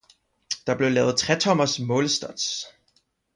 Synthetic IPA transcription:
d̥ɑ̈b̥le̝ʊlɛ̰ːʊð̩ˠt͡sʰʁɛt͡sʰɒ̽mɐsmɔ̽ːləsd̥ɒd̥s

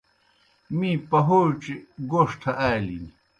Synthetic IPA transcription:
miːpɐɦot͡ɕiɡoʂʈ̪ʰɐʔaːlḭni

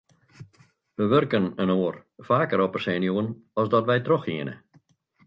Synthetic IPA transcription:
ʋəʋørkənənoːərfaːkəɾɔpərsɛːnjuənɔsdɔtʋɛjtroxiənə̰

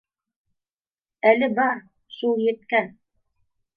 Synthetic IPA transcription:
ælɘbɑɾ | ʃulˠjɘ̆t̪kæn

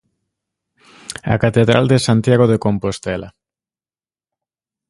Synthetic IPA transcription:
a̰kat̪eðɾa̰ld̪esant̪jaɣoðekompost̪ɛla

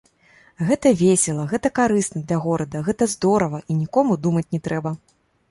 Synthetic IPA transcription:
ɣɛt̪ɐvʲesʲɛlˠɐɣɛt̪ɐkaɾɨsnɐd̪lʲɐɣɔɾɐd̪ɐɣɛt̪ɐzd̪ɔɾɐvɐʔinʲikɔmud̪umɐt͡sʲnʲɛt̪ɾɛbɐ

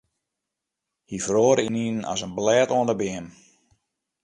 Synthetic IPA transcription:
hifroːɾininnɔ̰sənblɛːtoəndəbɪəm

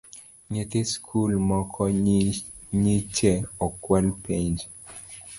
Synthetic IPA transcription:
ɲet̪eskʰulmɔkʰɔ | ɲit͡ʃɛɔkwalpeɲd͡ʒ

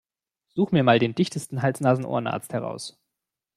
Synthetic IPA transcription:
z̥uːχəmiːɐmaːldeːndɪçtʰəstn̩ɦalt͡snaːzn̩ʔo̰ːɐənʔa̰ɐt͡sthɛʁ̞a̰ʊs

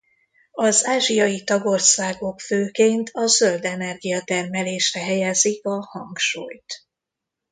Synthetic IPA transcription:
ɒzaːʒijɒjit̪ɒɡo̞rsaːɡo̞kføːkeːnt̪ʰɒzø̞ld̪ɛnɛrɡijɒt̪ɛrmɛleːʃrɛɦɛjɛzikɒhɒŋkʃuːjt̪

